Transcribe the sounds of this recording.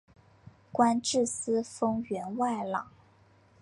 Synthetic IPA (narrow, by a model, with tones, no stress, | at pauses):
kwa˥nʈ͡ʂɻ̩˥˩sɹ̩˥fɤ˥ŋɥɛ˧˥nwa˥˩ɪlɑ˨˩˦ŋ